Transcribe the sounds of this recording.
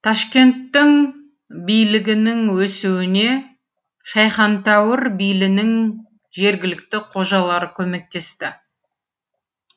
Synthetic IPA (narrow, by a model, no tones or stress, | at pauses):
t̪ʰɑʃkʲe̞nt̪ːɪŋ | bijlɪɡʲɪnɪŋwɵsuwɪne̞ | ʃɑjχɑnt̪æwɪɾbijlɪnɪŋ | ʒe̞ɾɡʲɪlɪk̚t̪ɪqʰo̞ʒɑlˠɑɾəkʲʰɵme̞k̚t̪e̞st̪ɪ